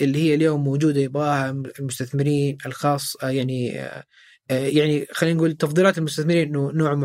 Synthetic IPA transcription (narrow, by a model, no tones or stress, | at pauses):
ʔɪlːihɪjːaljoːmːowd͡ʒuːd̪ajɪbʔaːhaɪlmʊst̪aθmɪɾiːnɪlxɑːsˤːjaʕnḭ | jaʕnixaliːnɡuːlt̪ɑfðˤiːlɑːt̪ɪlmʊst̪aθmɪɾiːnʔɪnːʊnoːʕmʊ